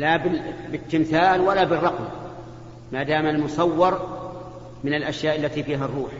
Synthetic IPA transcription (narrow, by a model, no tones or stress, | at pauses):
labɪbɪt̪ːɪmθaːlwalabɪrˤːɑqm | maːd̪aːmalmʊsˤɑwːɑɾˤ | mɪnalʔaʃjaːʔalːat̪iːfiːɦarˤːuːħ